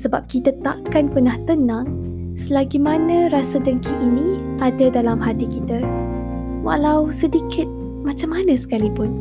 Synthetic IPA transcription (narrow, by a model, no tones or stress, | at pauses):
səbap̚kit̪ət̪aʔkanpənaht̪ənãŋ | səlaɡimanə̃ɾasədəŋkiʔːniadədalamɦat̪ikit̪ə | wa̰lawsədikʰɪt̪̚ | mat͡ʃamːanə̃sə̥kalipʊn